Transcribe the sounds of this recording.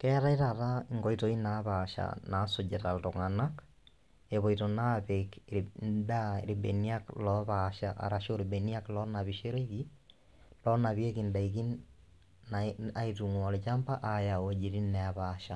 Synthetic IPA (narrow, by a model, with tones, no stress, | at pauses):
kɛ˦ɾa˦i˦tata˦iŋɡɔ˨ito˦i˦na˦βa˨ʃa̰na˨so˨d͡ʒe˨ta˨lto˨ŋana˦k | e˨βo˨itona˦βekndaɾibḛni˦a˦klɔβaʃaʔa̰˨ɾa˨ʃo˦ɾibe˨ni˦a˦klɔ˦na˨βiʃe˦ɾe˦iki | lɔ˦na˨βie˦kinda˨iki˦n | aa˦itu˨ŋwɔ˨le˨t͡ʃa˦mpa˦ʔaja˨oe˦d͡ʒi˨ɾi˦nɛ˨aβaʃa˨